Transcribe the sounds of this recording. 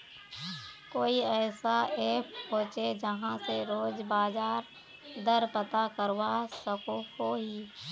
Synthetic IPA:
koːiɛːsaeːpɦoːt͡ʃed͡ʒəɦãseɾoːd͡ʒbaːd͡ʒaːɾ | d̪əɾpət̪akəɾwasəkokoɦi

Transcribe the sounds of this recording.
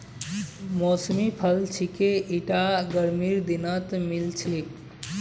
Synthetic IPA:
mɔsmipʰəlt͡ʃʰikeiʈaɡəɾmiɾd̪inət̪milt͡ʃʰik

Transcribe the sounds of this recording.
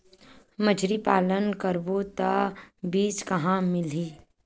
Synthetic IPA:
məd͡ʒʱɾipaːlənkəɾbot̪abiːt͡ʃkɐɦãmɪliː

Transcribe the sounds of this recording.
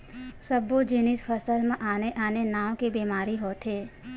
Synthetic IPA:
səbod͡ʒɪnisfʰəsəlmãʔaːneʔanenaːwkebeːmaːɾiɦot̪ʰeː

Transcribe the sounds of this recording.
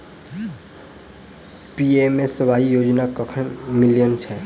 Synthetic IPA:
piemẽsəʋaijoːd͡ʒnakəkʰənmilijənt͡ʃʰɛ

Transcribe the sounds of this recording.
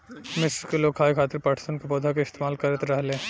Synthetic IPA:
mɪsɾkeloːɡ̚ʰaːikʰaːt̪ɪɾpɐʈʰsənkebɔːd̪ʱakaɪst̪eːmaːlkɐɾət̪ɾɐɦlẽː

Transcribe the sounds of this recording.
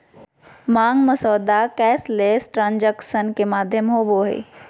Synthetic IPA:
mãːŋɡməsɔːd̪akɛːsleːsʈɾãːnd͡ʒəkʃənkemaːd̪ʱjəmɦoːboːɦḛː

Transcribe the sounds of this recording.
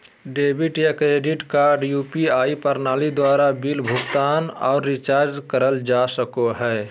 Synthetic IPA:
ɖeːbɪʈjakɾeːɖɪʈkaːɾɖjuːpiaːipəɾnaːlid̪waːɾabilbʱʊɡt̪aːnɔ̰ːɾːɪt͡ʃaːɾd͡ʒkəɾəld͡ʒasəkoɦɛː

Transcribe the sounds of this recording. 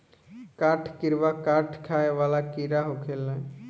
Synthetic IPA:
kaːʈʰkɪɾʋakaːɾʈʰkʰaːeʋaːlakiɾaɦokʰelɛ̃

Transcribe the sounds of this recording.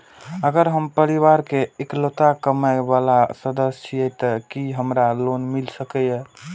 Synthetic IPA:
əɡəɾɦəmpəɾiβaɾkeeklot̪akəməjbalasəd̪əst͡ʃʰiɛt̪əkiɦəmɾalonmilsəkɛjə

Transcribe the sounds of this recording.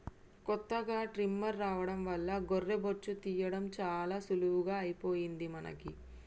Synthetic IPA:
kɔt̪ːɐɡaːʈɾimːɐɾːaːʋɐɽɐmʋɐlːɐɡorːeboɾt͡ʃut̪iːjɐɽɐmt͡ʃaːlaːsuluʋuɡaːɐjipoːjind̪imɐnɐ̰ki

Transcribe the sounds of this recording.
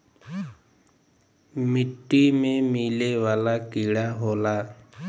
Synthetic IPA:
mɪʈːiːmẽːmiːleːʋaːlaːkiːɽaːɦoːlaː

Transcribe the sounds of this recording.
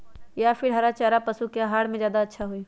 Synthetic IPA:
japʰɪɾɦɐɾat͡ʃaːɾapəsukeaɦaːɽmẽzjaːd̪aətːʃʰaɦui

